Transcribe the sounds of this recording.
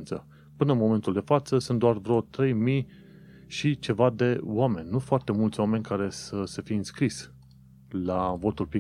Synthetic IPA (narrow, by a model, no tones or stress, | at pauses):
nt̪sə | pɨnəɨnmo̞me̞nt̪uld̪e̞fat̪səsunt̪̚d̪oarvɾeot̪ɾe̞jmij | ʃit͡ʃe̞vad̪e̞owame̞nʲːnufoart̪e̞mult̪sʲwame̞nʲkaɾe̞səsəfijeɨnskɾis | lavo̞t̪ulpɾi